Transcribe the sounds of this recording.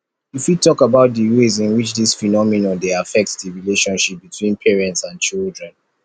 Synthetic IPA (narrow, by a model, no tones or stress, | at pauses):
ifwitʰɔkabaʊt̚dəwezĩnwit͡ʃðisfinɔminɔ̃ndeafɛk̚tsdəɹileʃɔ̃nʃip̚bitʰwĩnpʰɛɹɛ̃ntsãnt͡ʃildɹɛ̃n